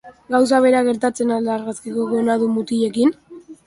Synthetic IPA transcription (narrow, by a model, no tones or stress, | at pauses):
ɡaws̬aβ̞e̞ɾaɣe̞ɾt̪at͡se̞nalaɾɣaskikoɣonaðumut̪iʎe̞kin